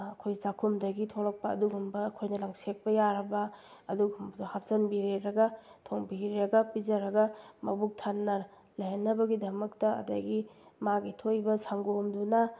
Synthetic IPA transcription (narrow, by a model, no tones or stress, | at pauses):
ɐkʰojsakʰumdɐɡitʰolɐk̚pɐːduɡumbɐːkʰojnɐlaŋsek̚pɐjaɾɐbɐ | ɐduɡumbɐhap̚sɐnbiɾeɾɐɡɐtʰoŋbiɾeɾɐɡɐpizɐɾɐɡɐmɐbuk̚tʰanːɐ | lɐjɐnːɐbɐɡidɐmɐktɐɐ̰dɐɡimaɡitʰojbɐsaŋɡomdunɐ